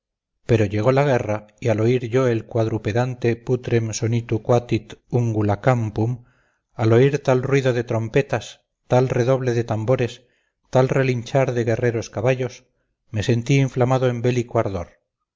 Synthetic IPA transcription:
pe̞ɾo̞ʎe̞ɣ̞o̞laɣ̞e̞raialo̞iɾʝo̞e̞lkwaðɾupe̞ðant̪e̞put̪ɾe̞mso̞nit̪ukwat̪it̪uŋɡulakampum | alo̞iɾt̪alrwiðo̞ðet̪ɾo̞mpe̞t̪as | t̪alre̞ðo̞βle̞ðet̪ambo̞ɾe̞s | t̪alre̞liɲt͡ʃaɾðeɣe̞re̞ɾo̞skaβaʎo̞s | me̞se̞nt̪iːɱflamaðoembe̞likoaɾðo̞̰ɾ

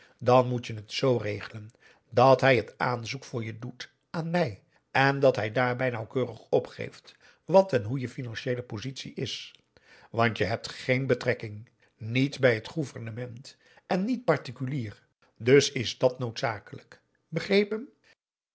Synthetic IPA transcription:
dɑnmutjənətsowrejχələn | dɑtɦɛjɦətaːnzukfʊːɹjədut | ʔaːnmɛj | ɛndɑtɦɛjdaːɹbɛjnɑwkøːrəχɔpχḛjft | ʋɑtɛnɦujəfinɑnʃejləpozitsḭʔɪs | ʋɑntjəɦɛp̚tχejnbətrɛkɪŋ | nitbɛjɦətχuvərnəmɛnt | ʔɛnːit̚pɑɹtikyliːr | dɵsɪzdɑtnowtsaːkələk | bəχrejpəm

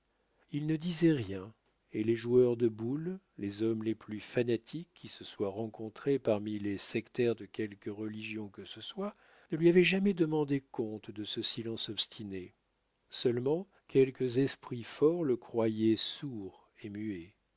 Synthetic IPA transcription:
ilnəd̪izɛʁjɛ̃ | eleʒuœʁd̪əbulː | ezɔmleplyfanat̪ʰikʰʲːisəswaʁɑ̃kɔ̃t̪χepaʁmilesɛkt̪ɛʁd̪əkʲɛlkəʁəliʒjɔ̃kəsəswa | nəlɥiavɛʒamɛd̪əmɑ̃d̪ekɔ̃t̪d̪əsəsilɑ̃sɔpst̪ʰine | sœlmɑ̃ | kʲʰɛlkəzɛspχifɔʁləkχwajɛsuʁ | emye

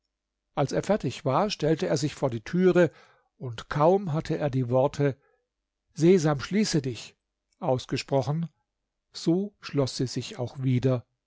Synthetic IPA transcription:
ʔalseːɐfɛɐtɪçv̥aːɐʃtɛltəeːɐzɪçfoːɐdiːtʰyːʁə | ʔʊntkʰaʊmɦatʰəʔeːɐdiːvɔɐtʰə | zeːzaːmʃliːsədɪç | ʔaʊsɡ̥əʃpʁ̥ɔχn̩ | z̥oːʃlɔsz̥iːzɪçaʊxviːdɐ

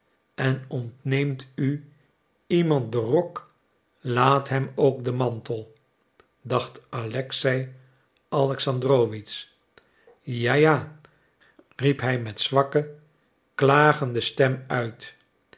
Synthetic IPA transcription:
ɛnɔntnejmty | imɑnt̚dərɔk | laːtɦɛmowkdəmɑntəlˠ | dɑχtalɛksɛj | ɑlɛksɑndrowʋits | jaːjaː | ripɦɛjmɛtsʋɑkə | klaːχəndəstɛmœɥt

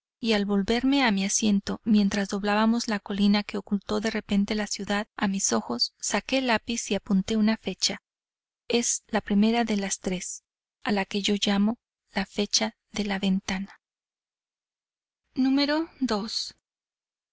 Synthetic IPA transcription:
ialβo̞lβe̞ɾme̞amiasje̞nt̪o̞mje̞nt̪ɾazðo̞β̞laβamo̞zlako̞linake̞o̞kult̪o̞ðe̞re̞pe̞nt̪e̞lasjuðaðamiso̞xo̞sːake̞lapisiapunt̪e̞unafe̞t͡ʃa | e̞zlapɾime̞ɾaðe̞last̪ɾe̞s | alake̞ʝo̞ʝamo̞ | lafe̞t͡ʃa | ðe̞laβe̞nt̪ana | nũme̞ɾo̞ðo̞s

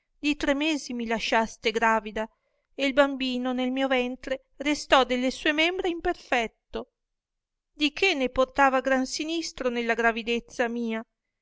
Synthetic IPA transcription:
d̪it̪ɾemeːzimilaʃast̪eɡɾaːvid̪a | eilbambiːnonelmiːovɛnt̪ɾe | rest̪ɔd̪elːesuːemembɾeimperfɛt̪ːo | d̪ikʰenːeport̪aːvaɡɾansinist̪ɾonelːaɡɾavid̪et̪sːamiːa

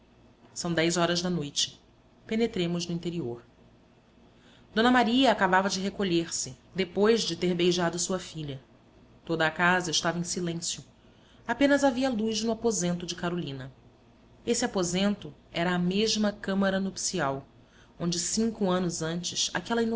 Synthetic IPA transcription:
sɐ̃w̃d̪ɛjzɔɾɐʒd̪ɐnojt͡ʃɪ̥ | penet̪ɾẽmʊʒnʊĩnt̪eɾioɾ | d̪̥õnɐmaɾiɐakabavɐd͡ʒɪɦekoʎeɾsɪd̪epojʒd͡ʒɪt̪eɾbejʒad̪ʊsuɐfiʎɐ | t̪od̪ɐːkazɐɪʃt̪avẽsilẽsjʊ | apẽnɐzaviɐlujznʊapozẽnt̪ʊd͡ʒɪkaɾolĩnɐ | esɪapozẽnt̪ʊɛɾɐːmeʒmɐkɐ̃mɐɾɐnopsiaw | õnd͡ʒɪsĩŋkʊɐ̃nʊzɐ̃nt͡ʃɪsa̰kɛlɐin

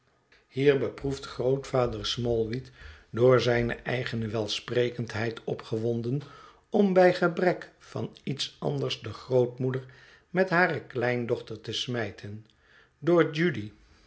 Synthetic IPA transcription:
hiːɹbəpruftχrowtfaːdəɹsmɔlˠʋitdʊːɹzɛjnə̰ʔɛ̰jχənəʋɛlˠsprejkəntɦɛjtʰɔpχəʋɔndən | ɔmbɛjχəbrɛk | fɑnitsɑ̰ndəɹzdəχrowtmudəɹ | mɛtɦaːrəklɛjndɔχtəɹtəsmɛjtʰən | doːɹd͡ʒydi

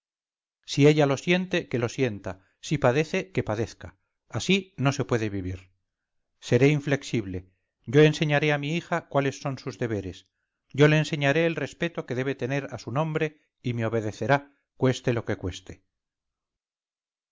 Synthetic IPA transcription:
sie̞ʎalo̞sje̞nt̪e̞ke̞lo̞sje̞nt̪a | sipaðe̞θe̞ke̞paðe̞θka̰ː | sino̞se̞pwe̞ðeβiβiɾ | se̞ɾe̞iɱfle̞ksiβle̞ | ɟ͡ʝo̞e̞nse̞ɲaɾe̞amiixakwale̞sːo̞nsuzðe̞β̞e̞ɾe̞s | ɟ͡ʝo̞le̞ːnse̞ɲaɾe̞ːlre̞spe̞t̪o̞ke̞ðe̞β̞e̞t̪e̞ne̞ɾasunõ̞mbɾe̞ | imeo̞βe̞ðe̞θe̞ɾa | kwe̞st̪e̞lo̞ke̞kwe̞st̪e

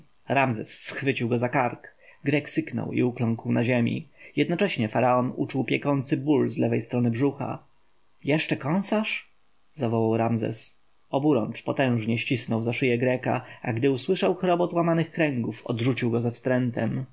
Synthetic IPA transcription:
ɾamzɛ̰sːxfɘt͡ɕiwɡɔzakaɾkɡɾɛksɘknɔ̰wḭuklɔ̃ŋkwnaʑemʲḭjɛd̪nɔt͡ʂɛɕɲɛfaɾaɔnṵt͡ʂuwpʲjɛkɔnt̪sɘbulzlɛvɛjst̪ɾɔnɘbʐuxa̰ | jɛʂt͡ʂɛkɔ̃nsaʂ | zavɔwawɾamzɛ̰s | ɔbuɾɔ̰nt͡ʂpɔt̪ɛ̃w̃ʐɲɛɕt͡ɕisnɔwzaʂɘjɛɡɾɛka̰a̰ɡd̪ɘuswɘʂawxɾɔbɔt̪wamanɘxkɾɛŋɡufɔ̰d̪ʐut͡ɕiwɡɔzafst̪ɾɛnt̪ɛm

